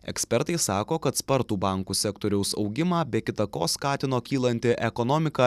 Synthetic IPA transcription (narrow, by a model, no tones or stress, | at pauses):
ɛ̰ksʲpʲɛɾt̪ɐɪssɑːkoːkɐt̪spɐɾt̪uːbɑˑŋkuːsʲɛkt̪oːɾʲɛʊsɒʊɡʲɪmɑːbʲɛːkʲɪt̪ɐkoːskɑːt̪ʲɪnoːkʲiːlˠɐnʲt̪ʲɪʔɛkɔnɔːmʲɪkɑ